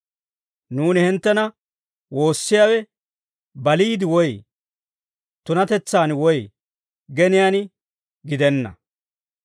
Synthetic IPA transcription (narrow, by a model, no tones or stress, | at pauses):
nuːnɪhɪnt̪ːɛnɐ | wo̞ːsːɪjaːwɛ | bɐliːd̪ɪwɔj | t̪ʊnɐt̪ɛt͡sːaːnwɔj | ɡɛnɪjaːn | ɡɪd̪ɛnːɐ̰